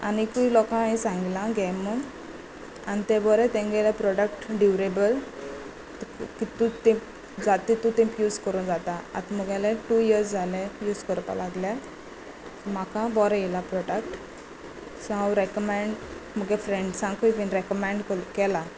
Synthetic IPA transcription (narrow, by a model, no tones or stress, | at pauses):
a̰nikuilɔkãɛ̃sãŋɡilãɡɛmə | anit̪ɛ̃bɔɾɛt̪ɛ̃ŋɡɛlɛpɾɔɖək̚ʈɖiʋɾebəl | kit̪ut̪ĩp | d͡zat̪it̪ut̪ĩmpjuːd͡zkəɾud͡zat̪aa̰t̪məɡalɛʈujiɾsd͡zʱalɛjuːd͡zkəɾpa̰laɡlja | m̤akãbɔɾɛjɛlapɾɔɖəkʈ | sawɾɛkəmẽɳɖməɡɛfɾeɳɖsãŋkʰuifinɾɛkɔmẽɳɖkkɛla